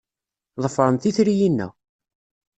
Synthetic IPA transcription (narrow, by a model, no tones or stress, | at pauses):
ðˤəfəɾˤənθiθɾijinːæ̰